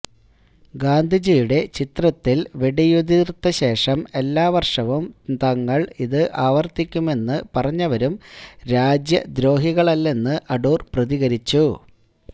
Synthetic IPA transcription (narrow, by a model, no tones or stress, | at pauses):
ɡaːnd̪ʱid͡ʑijuɽe̞t͡ɕit̪rɐt̪ːilʋeɽijud̪irt̪ːɐɕe̞ːʂɐme̞lːaːʋɐrʂɐʋumt̪ɐŋːɐɭiðɨʔaːʋɐrt̪ikʲːume̞nːɨpɐrɐɲːɐʋɐɾumɾaːd͡ʑjɐd̪ɾo̞ːɦiɣɐɭɐlːe̞nːɨʔɐɖoːrprɐðiɣɐɾit͡ɕːu